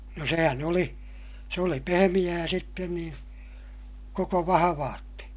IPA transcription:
no sehæn oli se oli pehemij̆æː sitːen niːn koko ʋɑhɑʋɑːtːe

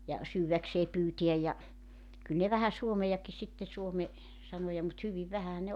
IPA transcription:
jɑ syːwækseː pyːtiæj jɑ kyl ne ʋæhæ suomejɑki sitːe suome sɑnojɑ mut hyʋiʋ ʋæhæhæ ne

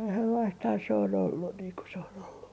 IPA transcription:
selːɑisthɑː se on olːun niːŋ ku se on olːu

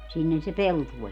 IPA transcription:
sinːehæ se peltuoj

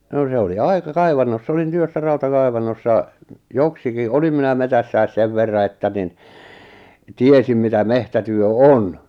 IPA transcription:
no se oli ɑikɑ kɑiʋɑnːosː olin tyøsːæ rɑutɑkɑiʋɑnːosːɑ joksiki olim minæ metæsːæi̞s seʋ ʋerːɑ etːæ nin tiesim mitæ mehtætyø on

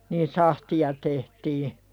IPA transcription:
niːn sɑhtiɑ tehtiː

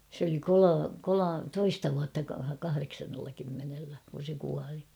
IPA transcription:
se oli kolo kolo toistɑ ʋuɑtːɑ kɑhɑreksɑnːelːɑ kymːenelːæ kun̞ se kuɑli

